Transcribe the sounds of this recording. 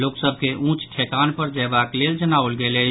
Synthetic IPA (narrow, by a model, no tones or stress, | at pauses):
loksəb̚ʱkeʔũt͡ʃʈʰekanpəɾd͡ʒabakleld͡ʒənaolɡelə